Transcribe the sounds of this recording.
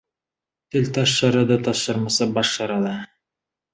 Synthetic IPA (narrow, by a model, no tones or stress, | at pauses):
t̪ɘlt̪ɑʃːɑɾɑd̪ɤt̪ɑʃɤɾmɑsɑbɑʃːɑɾɑd̪ɤ